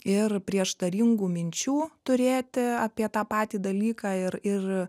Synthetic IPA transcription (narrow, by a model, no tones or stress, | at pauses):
ɪrpʲɾʲiɛʃt̪ɐɾʲɪŋɡuːmʲɪnʲt͡ʃʲuːt̪ʊɾʲeːt̪ʲɪɑːpʲiɛt̪ɑːpɑːt̪ʲiːd̪ɐlʲiːkɑːɪɾɪr